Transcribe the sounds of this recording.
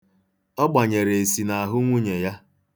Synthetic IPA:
ɔ˦ɡ͡ba˨ɲe˨ɾe˨e˨si˨na˨a˨ɦʊ˦ŋʷu˦ɲe˨ja˦

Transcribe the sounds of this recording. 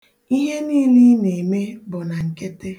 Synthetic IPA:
i˦ɦe˦niː˦li˦ne˨me˦bʊ˨na˨ŋ̩˨ke˦te˦

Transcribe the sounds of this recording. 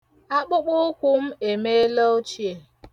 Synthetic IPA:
a˦k͡pʊ˦k͡pʊ˦kʷʊ˦m̩˦e˨me˦lo˦o˦t͡ʃi˦˨e˨

